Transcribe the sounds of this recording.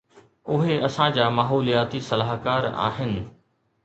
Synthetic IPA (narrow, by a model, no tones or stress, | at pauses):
ʊɦeɐsãd͡ʑaːmaːɦoːlijaːt̪isɐlaːɦkaːɾa̰ːɦɪnɪ̆